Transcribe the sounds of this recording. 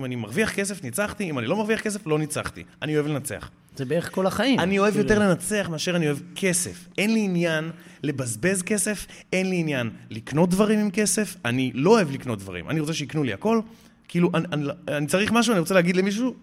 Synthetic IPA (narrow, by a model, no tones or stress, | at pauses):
manimaʁviaχke̞s̬e̞fnit͡saχt̪iːmanilo̞maʁviaχke̞s̬e̞flo̞nit͡sa̰χt̪ḭanio̞evle̞nat͡se̞̰a̰χ | zebeʁeko̞laχaianio̞e̞vjo̞t̪e̞ʁle̞nat͡se̞aχmeaʃe̞ʁanio̞evkʰe̞se̞̰fʔe̞nliːnjanle̞bazbe̞zke̞se̞fe̞nliːnjanlikno̞t̪̚dvaʁimimke̞se̞fanilo̞ːevlikno̞t̪̚d̪va̰ʁḭmʔa̰niʁo̞t͡seʃeiknulia̰ko̞l | kiiluʔaanianit͡saʁiχmaʃ̬uaniʁo̞t͡seeːɡid̪lemiʃ̬u